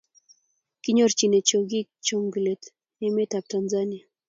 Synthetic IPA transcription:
kiɲɔ˦ɾt͡ʃi˨ne˨t͡ʃo˨ɡi˦k̚t͡ʃomɡu˨le˨t | ɛmetap̚tanzania˨

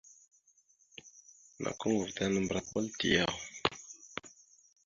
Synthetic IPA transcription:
na̰˨kə˦ŋu˨vta˦nə˦mbɾa˨wa˦ltḭ˨ja˨ʁ

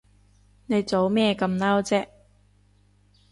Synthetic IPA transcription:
ne˨˧jt͡so˨˥wmɛː˥kɐ˧mnaː˥wt͡sɛː˥ʔ

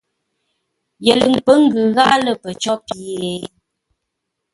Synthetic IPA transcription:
jɛ˨lə˨ŋ̩˨k͡pə˦ŋ̩˦ɡʉ˨ɣa˦lə˦pə˨t͡ʃɔ˦pi˨e˨˦

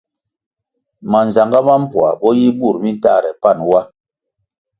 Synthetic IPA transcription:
ma˨n˨za˨ŋɡa˦ma˦m̩˦pwa˨ɓɔ˦ji˦bu˦˨ɾmi˦n˦ta˦˨ɾɛ˨pa˦˨nwa˦

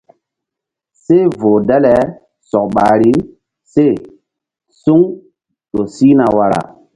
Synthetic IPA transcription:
se˦vo˨dɛ˦lɛ˨ | sɔ˨k̚ɓa˨ɾi˦ | se˦˨ | su˦ŋ | ɗo˨si˦na˨wa˨ɾa̰˨

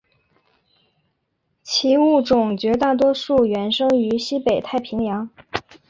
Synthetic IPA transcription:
t͡ɕʰi˧˥u˥˩ʈ͡ʂʊ˨˩ŋt͡ɕɥɛ˧˥t̪a˥˩t̪̬wɔ˥ʂu˥˩ɥɛ˧˥nʂɤ˥ŋy˧˥ɕi˥pe˨˩ɪt̪ʰa˥˩ɪpʰi˧˥ŋjɑ˧˥ŋ

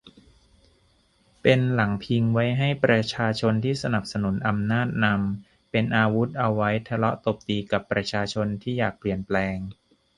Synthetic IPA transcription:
pe˧nla˩˦ŋpʰi˧ŋwa˦˥jɦa˥˩jpɾa˧t͡ɕʰaː˧t͡ɕʰo˧nt̪ʰiː˥˩sa˧na˨˩p̚sa˧nu˩˦nʔa˧mnaː˥˩t̪̚na˧m | pe˧nʔaː˧wu˦˥t̪̚ʔa˧wːa˦˥jt̪ʰa˧lɔ˦˥ʔt̪o˨˩p̚t̪iː˧ka˨˩pːɾa˧t͡ɕʰaː˧t͡ɕʰo˧nt̪ʰiː˥˩jaː˨˩k̚pli˨˩ənplɛː˧ŋ

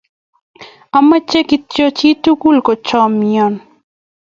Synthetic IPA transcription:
a˨ma˦t͡ʃe˦ki˦tjɔ˦t͡ʃi˦tu˦ɡu˦lkɔ˨t͡ʃɔ˦mjɔ˨n

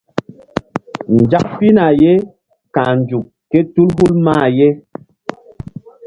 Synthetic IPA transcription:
n̩˨d͡ʒa˦k̚pi˦na˨jɛ˦ | kã˨n˨d͡ʒu˨k | kːɛ˦tu˦lɦu˦lmaː˦˨jɛ˦

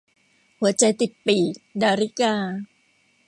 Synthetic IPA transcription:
hu˩˦t͡ɕa˧jt̪i˨˩pːiː˨˩k̚daː˧ɾi˦kaː˧

